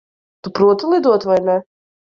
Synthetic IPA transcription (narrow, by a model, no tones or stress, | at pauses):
t̪upɾuɔt̪ulˠid̪uɔt̪vajnɛ